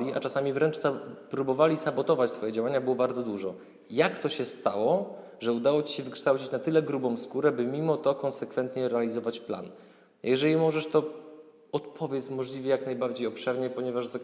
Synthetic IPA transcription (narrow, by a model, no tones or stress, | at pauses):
lʲia̰t͡ʂasamʲivɾɛnt͡ʂsapɾubɔvalʲisabɔt̪ɔvat͡ɕt̪fɔjɛd͡ʑawaɲabɘwɔbaɾd̪ɔd̪uʐɔ | jakt̪ɔɕɛst̪awɔ | ʐɛud̪awɔt͡ɕi̥ɕɛvɘkʂt̪awt͡ɕit͡ɕnat̪ɘlɛɡɾubɔ̃w̃skuɾɛbɘmʲimɔt̪ɔkɔnsɛkfɛnt̪ɲɛɾɛalʲizɔvat͡ɕpla̰n | jɛʐɛlʲimɔʐɛʂt̪ɔ | ɔt̪pʰɔvʲjɛt̪smɔʐlʲivʲɛjaknajbaɾd͡ʑejɔpʂɛɾɲɛpɔɲɛvaʐza